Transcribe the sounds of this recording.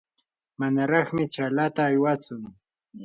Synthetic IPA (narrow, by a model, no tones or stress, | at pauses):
manaɾɑχmɪt͡ʃalat̪aːjwat͡sʊŋ